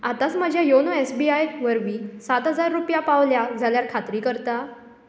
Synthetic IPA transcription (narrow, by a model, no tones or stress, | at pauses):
at̪at͡sməd͡ʑʱjajonoesbiajʋəɾʋiːsat̪ɦəd͡zaɾːupjapaʋljad͡zʱaljaɾkʰat̪ɾiːkəɾt̪a